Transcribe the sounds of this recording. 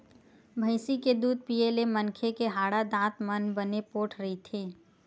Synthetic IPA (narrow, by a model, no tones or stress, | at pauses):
bʱəɪsiked̪uːd̪̚piːeːlemənkʰekeɦaːɽad̪ãːt̪mənbənepoːʈʰɾɐɦit̪ʰeː